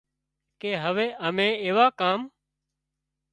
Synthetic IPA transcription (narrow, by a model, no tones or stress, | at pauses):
keːɦəʋeːʔəmẽːeːʋaːkaːm